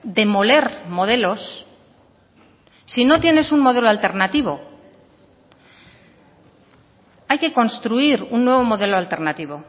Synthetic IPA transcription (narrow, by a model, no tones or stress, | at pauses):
d̪e̞mo̞le̞ɾmo̞ð̞e̞lo̞s | ino̞t̪je̞ne̞suŋmo̞ð̞e̞lo̞alt̪e̞ɾnat̪iβ̞o̞ | ajke̞ko̞nst̪ɾuiɾunːwe̞β̞o̞mo̞ðe̞loalt̪e̞ɾnat̪iβ̞o̞